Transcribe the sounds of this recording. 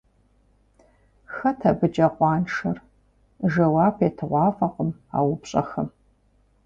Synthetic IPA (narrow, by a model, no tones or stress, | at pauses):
xɐtʰɐbɨd͡ʒʼɐqʷɑːnʂɐr | ʒɐwaːpʰeːtʰɨʁʷɑːfʼɐqʼəma̰ːwʊbɕʼɐxɐm